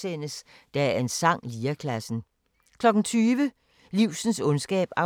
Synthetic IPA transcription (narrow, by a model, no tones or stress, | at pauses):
en̰əs | d̥æe̝nsɑ̈ŋ̰liːɐkʰlæsn̩ | kʰlɒ̽ɡ̥n̩t͡sʰyːʋə | liʊ̰sn̩sɔ̽nsɡ̥ɛ̰ːb̥æ